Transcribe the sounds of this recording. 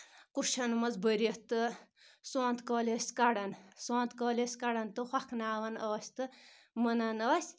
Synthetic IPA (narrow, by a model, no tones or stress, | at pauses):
kuʃʰɐnmɐzbəɾɐt̪ɨ | soːnt̪koːlʲɐːsʲt̪kɐɽɐnsõːnt̪kɐːlʲesʲkɐɽɐnt̪ɨxwakʰnaːʋɐnoːsʲt̪ɨ | mənɐnɐːsʲ